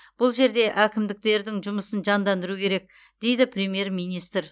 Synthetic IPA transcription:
b̥ʊlˠʒe̞ɾd̪e̞ʔækʲɪmd̪ɪk̚t̪e̞ɾd̪ɪŋʒʊməsənʒɑnd̪ɑnd̪əɾukʲʰe̞ɾe̞k̚ | d̪̥e̞jd̪ɪpʰrʲe̞mje̞ɾmijnijst̪ɾ

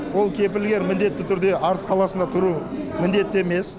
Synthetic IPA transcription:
wo̞lˠkʲʰe̞p̬ɪlɡʲe̞ɾmɪnd̪e̞t̪ːɪt̪ʰʏɾd̪e̞ʔɑɾəsqʰɑlˠɑsənd̪ɑt̪ʰʊɾu | mɪnd̪e̞t̪ːɪeme̞s

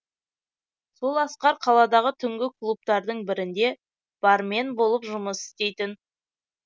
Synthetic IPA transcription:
so̞lˠɑsqɑɾqʰɑlˠɑd̪ɑʁət̪ʰʏŋɡʲɪklˠup̚t̪ɑɾd̪əɴbɪɾɪnd̪e̞ | b̥ɑɾme̞nbo̞lˠəpʒʊməsɪ̥st̪e̞jt̪ɪn

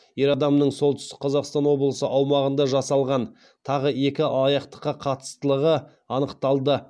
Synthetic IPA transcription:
jeɾɑd̪ɑmnəɴso̞lˠt̪əʏst̪ɪk̚qʰɑzɑqst̪ɑnwo̞blˠəsəʔɑwmɑʁənd̪ɑʒɑsɑlˠʁɑn | t̪ʰɑʁəe̞kʲɪɑlˠɑjɑqt̪ə̥qːɑqʰɑt̪ə̥st̪əlˠəʁə | ɑnəqt̪ɑlˠd̪ə

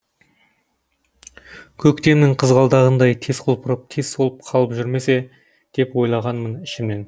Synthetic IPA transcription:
kʲʰɵkt̪e̞mnɪŋɴqʰəzʁɑlˠd̪ɑʁənd̪ɑjt̪ʰe̞zqʰəlˠpʰəɾəp̚t̪ʰe̞zsolˠəp̚qʰɑlˠəpʒʏɾme̞se̞ | d̪̥e̞pwo̞jlˠɑʁɑnmənɪʃɪmne̞n

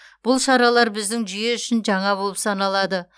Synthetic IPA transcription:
b̥ʊlˠʃɑɾɑlˠɑɾbɪzd̪ɪŋʒʏje̞ʏʃɪnʒɑɴɑbo̞lˠəpsɑnɑlˠɑd̪ə

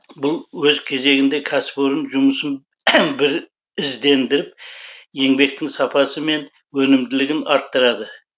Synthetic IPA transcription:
bʊlˠwɵzkʲʰe̞ze̞ɡʲɪnd̪e̞kʲʰæspoɾənʒʊməsən | bɪɾ | ɪzd̪e̞nd̪ɪɾɪp̚je̞ŋbe̞k̚t̪ɪŋsɑpʰɑsəme̞n | wɵnɪmd̪ɪlɪɡʲɪnɑɾt̪ːəɾɑd̪ə

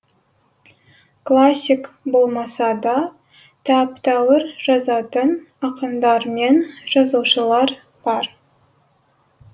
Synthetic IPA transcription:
klˠasʲːikbo̞lˠmɑsɑd̪ɑ | t̪ʰɑpt̪ɑwəɾʒɑzɑt̪ən | ɑqəmd̪ɑɾme̞nʒ̥ɑzuwʃəlˠɑɾ | b̥ɑɾ

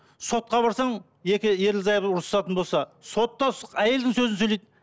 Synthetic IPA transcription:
so̞t̪̚qɑbɑɾsɑɴ | je̞kʲɪje̞ɾlzɑjəbʊɾsɑt̪ənbo̞lˠsɑso̞t̪ːɑæje̞ld̪ɪŋsɵzɪnsɵjlejd̪ɪ

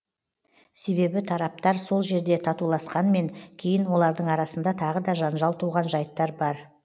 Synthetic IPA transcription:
se̞βe̞bɪt̪ʰɑɾɑp̚t̪ɑɾso̞lˠʒe̞ɾd̪e̞t̪ʰɑt̪ulˠɑsqɑnme̞ŋkʲʰe̞jɪnwo̞lˠɑɾd̪əɴɑɾɑsənd̪ɑt̪ʰɑʁəd̪ɑʒɑnʒɑlˠt̪ʰuʁɑnʒɑjt̪ːɑɾbɑɾ

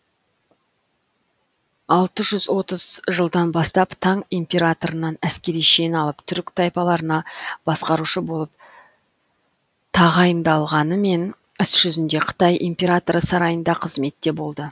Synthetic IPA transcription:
ɑlˠt̪əʒʏzwo̞t̪əz̥ʒəlˠd̪ɑnbɑst̪ɑpt̪ʰɑŋimpʲe̞ɾat̪o̞ɾənɑnæskʲe̞ɾijʃe̞nɑlˠəpt̪ʰʏɾkt̪ʰɑjpɑlˠɑɾənɑb̥ɑsqɑɾuʃəbo̞lˠəp | t̪ʰɑʁɑjənd̪ɑlˠʁɑnəme̞n | ʏsʒ̥ʏzɪnd̪e̞qʰə̥t̪ɑjʔimpʲe̞ɾat̪o̞ɾəsɑɾɑjənd̪ɑqʰəzme̞t̪ːe̞bo̞lˠd̪ə

